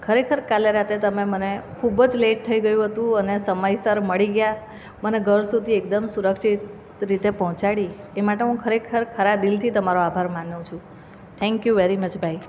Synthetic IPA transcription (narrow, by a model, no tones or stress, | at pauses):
kʰəɾekʰəɾkaleɾat̪et̪əmemənekʰubəd͡ʒleʈ̚t̪ʰəiɡəjũɦət̪ũənesəməjsəɾməɭiɡja | məneɡʱəɾsud̪ʱiek̚d̪əmsuɾəkʃit̪ | ɾit̪epɔɦɔ̃t͡ʃaɽiemaʈeɦũkʰəɾekʰəɾkʰəɾad̪ilt̪ʰit̪əmaɾoabʱaɾmanũt͡ʃʰũ | t̪ʰɛ̃ŋkjuʋeɾimət͡ʃbʱai